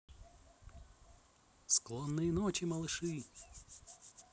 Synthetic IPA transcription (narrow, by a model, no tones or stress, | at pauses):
sklˠɔnːɨjɪnot͡ɕɪmɐlˠɨʂɨ